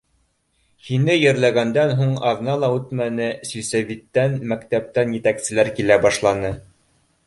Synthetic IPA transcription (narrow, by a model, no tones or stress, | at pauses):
hinɘjɘ̆ɾlæɡænd̪ænɦuɴɑðnɑlˠɑʉt̪mænɘsɵ̆jsæβit̪ːænmækt̪æp̚t̪ænjɘ̆t̪æksɘ̆læɾkilæbɑʃlˠɑnɤ